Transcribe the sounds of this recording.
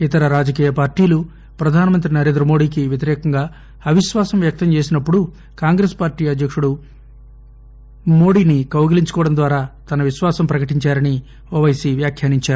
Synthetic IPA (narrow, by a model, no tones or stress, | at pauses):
it̪ɐɾɐɾaːd͡ʒɐkiːjɐpaːɾʈiːlu | pɾɐd̪ʱaːnɐmɐnt̪ɾinɐɾe̞ːnd̪ɾɐmo̞ːɽiːkiʋjɐt̪iɾɛːkɐŋɡaː | ɐʋiʃʋaːsɐmʋjɐk̚t̪ɐmt͡ʃe̞ːsinɐpːuɽu | kaːŋɡɾeːspaːɾʈiːɐd̪ʱjɐkʂuɽu | mo̞ːɽiːnikɐwɡɐliɲt͡ʃukɔːɐɽɐnd̪ʋaːɾaːt̪ɐnɐʋiʃʋaːsɐmpɾɐkɐʈiɲt͡ʃaːɾɐni | oːʋɐjsiʋjaːkʰjaːniɲt͡ʃaːɾu